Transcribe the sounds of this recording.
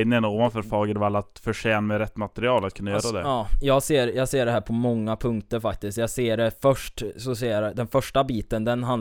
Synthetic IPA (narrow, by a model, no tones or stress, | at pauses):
d̪ɪɛnoːvanfœɾfɑːɡəd̪ɔvalːat̪fœʂɛːnmɛɾɛt̪ːmat̪ɛɾɪɑːlat̪kʰɵnːajœːɾad̪ɛ̰ɑːjɑːɡseːɾjɑːɡseːɖɛɦæːɾpʰɔmɔŋːapʰɵŋkt̪əɾfak̚t̪ɪskt̪jɑːɡseːɖɛfœʂʈsɔsɛaɾd̪ɛnfœʂʈabiːt̪ənd̪ɛnɦan